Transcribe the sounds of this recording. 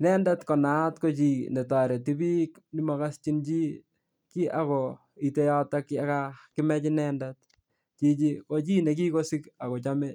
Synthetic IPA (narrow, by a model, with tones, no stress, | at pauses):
nɛ˦nda˦tko˨na˨˦tko˦t͡ʃi˨ne˨ta˨ɾe˨ti˦bi˦k | ni˦ma˦ka˦st͡ʃi˦nt͡ʃi˦ | ki˦ʔa̰˨kɔ˨ | i˨te˦jɔ˦ta˦kia˦kakɪ˦mɛ˦t͡ʃinɛ˦ndat̚ | t͡ʃi˦t͡ʃi˦ko˦t͡ʃi˦ne˨k̬i˦ko˦si˦ka˨ko˨t͡ʃa˦me˦